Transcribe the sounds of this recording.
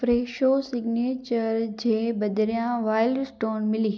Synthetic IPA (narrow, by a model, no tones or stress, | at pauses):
fɾeːʃoːsɪɡneːt͡ɕəɾd͡ʑeːbɐd̪ɾjãʋaːɪlɖsʈoːnmɪliː